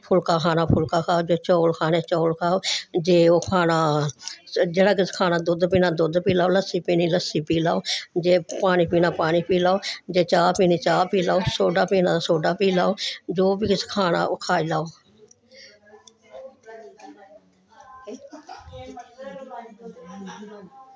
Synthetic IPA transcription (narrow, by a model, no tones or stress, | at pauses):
pʰʊlkaːkʰaːnaːpʰʊlkaːkʰaːoːd͡ʒoːt͡ʃoːlkʰaːneːt͡ʃoːlkʰaːoːd͡ʒeːoːkʰaːnaː | d͡ʒeːɽaːkɪskʰaːnaːd̪ʊd̪piːnaːd̪ʊd̪piːlaːoːləsiːpiːniːləsiːpiːlaːoːd͡ʒeːpaːniːpiːnaːpaːniːpiːlaːoːd͡ʒeːt͡ʃaːpiːniːt͡ʃaːpiːlaːoːsoːɖaːpiːnãːsoːɖaːpiːlaːoːd͡ʒoːbiːkɪskʰaːna̰ːoːkʰaːiːlaːoː